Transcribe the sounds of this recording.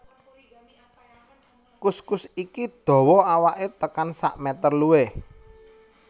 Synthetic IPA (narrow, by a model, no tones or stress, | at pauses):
kuskusikid̪̥ɔ̤wɔawaʔet̪əkansa̰ʔmɛt̪ərluwe